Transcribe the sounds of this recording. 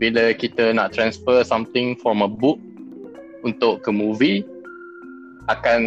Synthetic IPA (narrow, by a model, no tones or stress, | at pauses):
biləkit̪ənaʔt̪ɾãnsfəsãmt̪ɪ̃ŋfɾɔ̃məbuk̚ | unt̪ʊʔkəmuvi | akan